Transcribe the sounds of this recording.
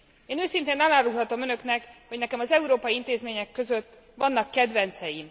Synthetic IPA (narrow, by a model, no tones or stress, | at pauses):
eːnøːsint̪eːnɒlaːɾuɦhɒt̪o̞mø̞nø̞knɛkho̞ɟnɛkɛmɒzɛuɾoːpɒjiint̪eːzmeːɲɛkːø̞zø̞t̪ː | vɒnːɒkːɛd̪vɛnt̪sɛjin